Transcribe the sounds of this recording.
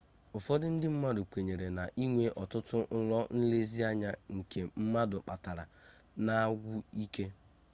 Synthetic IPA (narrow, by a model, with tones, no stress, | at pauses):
ʊ˨fɔ˦dɪ˦n̩˦dɪ˦m̩˦ma˦dʊ˨kʷe˨ɲe˨ɾe˨na˨ʔi˦ŋʷe˨ʔɔ˨tʊ˦tʊ˦n̩˦lɔ˦n̩˦le˦zi˦a˦ɲa˦ŋ̩˨ke˨m̩˦ma˦dʊ˨k͡pa˨ta˨ɾa̰˨ | na˦ɡʷʊ˦i˦ke˦